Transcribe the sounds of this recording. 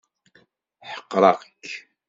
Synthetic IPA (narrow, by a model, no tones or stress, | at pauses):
ħə̥qːɾˤɑʁk